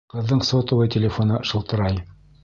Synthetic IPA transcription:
qɤ̆ðːɤɴsot̪ŏwɤjtʲɪlʲɪfonɤʃɤ̆lˠt̪ɤ̆ɾɑj

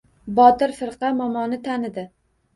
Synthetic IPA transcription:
bɒt̪ɪɾfɪɾqɑmɒmɒnɪt̪ʰanɪd̪ɪ

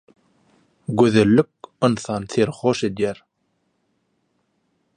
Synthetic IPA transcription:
ɡøðelːyk̚ɨnθɑnθeɾxoʃed̪jæɾ

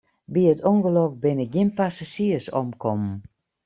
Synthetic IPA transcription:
biətʰoŋɣəlok̚bɪnəɡɪnpasasiəsɔmkʰɔmm̩

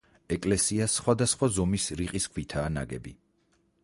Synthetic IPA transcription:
ɛkʼlɛsiasːχwad̪asχwazɔmisɾiqʼiskʰwit̪ʰaːna̰ɡɛ̰bi

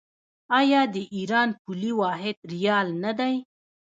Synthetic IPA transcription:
ɑjɑd̪əʔiɾɑnpuliwɑɦɪd̪ɾijɑlnad̪aj

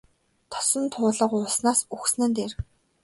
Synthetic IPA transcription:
t̪ʰɔ̥sɞ̆nt̪ʰʊːɮə̆qʊsnaːsuxsnɘ̆nt̪eːr

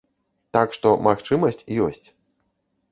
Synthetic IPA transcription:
t̪akʂt̪ɔmaxt͡ʂɨmɐsʲt͡sʲjɔsʲt͡sʲ

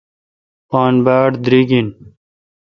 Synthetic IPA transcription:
paːnbaːɖd̪ɾiːɡin

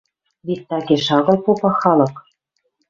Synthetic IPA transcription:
βet̪ːɑɡeʃɑɣɤ̆lpopɑxɑlɤ̆k

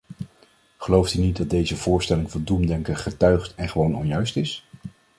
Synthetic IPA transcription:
χəlowftynit̚dɑt̚dejzəv̥ʊːɹstɛlɪŋvɑndumdɛŋkəχətœɥχtɛnχəʋownɔ̰njœɥstɪs

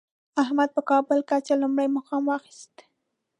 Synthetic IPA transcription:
ahmad̪̚pəkɑbʊlkat͡ʃalumɽajmaxɑmwɑxi̥st̪

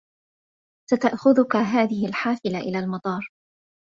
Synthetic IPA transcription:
sat̪aʔxʊðʊkaɦaːðɪhɪlħaːfɪlaʔɪlaːlmɑt̪ˤɑːɾˤ

